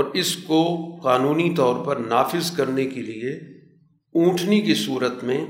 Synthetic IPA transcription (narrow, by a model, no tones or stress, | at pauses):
ɔːɾɪskoqaːnuːnit̪ɔːɾpɐɾnaːfɪzkɐɾnekelie | ũːʈʰnikisuːɾət̪mẽ